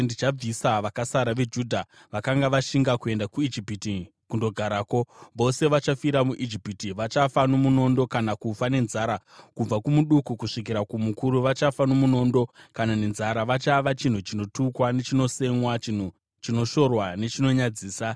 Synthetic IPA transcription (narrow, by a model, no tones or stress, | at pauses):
ndit͡ʃab͡visaʋakasaɾaʋe̞d͡ʒudʱa | ʋakaŋɡaʋaʃiŋɡakue̞ndakuid͡ʒipiti | kundo̞ɡʱaɾaːko̞ʋo̞se̞ʋat͡ʃafiɾamuʔid͡ʒipitiʋat͡ʃafanomuno̞ndo̞kanakufane̞nzaːɾa | kub͡vakumuɗukukuʂikiɾakumukuɾuʋat͡ʃafanomuno̞ndo̞kanane̞nzaɾaʋat͡ʃaʋat͡ʃin̤ut͡ʃino̞tukwane̞t͡ʃino̞se̞mwa̤u | t͡ʃino̞ʃo̞rwane̞t͡ʃino̞ɲad͡ziːsa